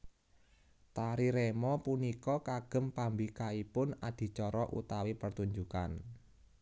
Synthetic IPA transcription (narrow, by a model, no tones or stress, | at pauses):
t̪aɾiɾemɔpunikɔkaɡ̥ə̤mpambikaipʊnad̪̥i̤t͡ʃɔɾɔʔṵt̪awipərt̪uɲd͡ʒuka̰n